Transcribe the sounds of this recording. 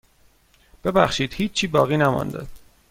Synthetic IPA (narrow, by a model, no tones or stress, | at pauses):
b̥e̞bæ̰xʃiːd̪̥hiːt͡ʃt͡ʃʰiːbɒːɣiːnæmɒ̰nd̪ḛ̥